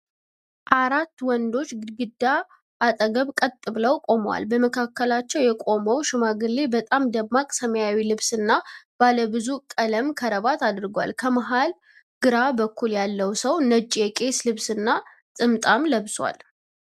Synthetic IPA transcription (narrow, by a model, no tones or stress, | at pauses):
ʔaɾat̪ːwɔnd̪o̞t͡ʃːɡɨd̪ːaː | t̪ʼəɡəβkʼət̪ʼːɨβləwkʼo̞mwa̰lbəməkʰakːəlat͡ʃːɛwjɛkʼo̞məwʃɪmaɡɨlːebət̪ʼamd̪əmːakʼsəməjawilɨβsɨnːab̥aləbɨzukʼələmkʰəɾəβat̪ad̪ɨɾɡwa̰lkʰəməɦal | ɡ̥ɨɾabəkʰːuljalːəwsəwnəd͡ʒʼjɛkʼe̞slɨβsɨnːa | sʼɨmt̪ʼamləβswa̰l